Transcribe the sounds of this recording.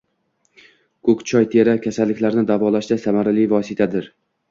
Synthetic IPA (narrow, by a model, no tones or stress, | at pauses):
kʰɵkt͡ʃʰɒjt̪ʰeɾakʲʰasalːɪkʲlaɾnɪd̪avɒlaʃd̪asamaɾalɪjvɒsɪt̪ʰad̪ɪɾ